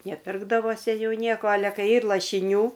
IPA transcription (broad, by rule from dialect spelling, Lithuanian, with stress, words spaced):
nʲɛˈpʲɪrɡdɐʋoːsʲɪ ˈjuː ˈnʲiɛkoː ˈɑːlʲɛ ˈkɐɪ ˈiːr lˠɐʃʲɪˈnʲuː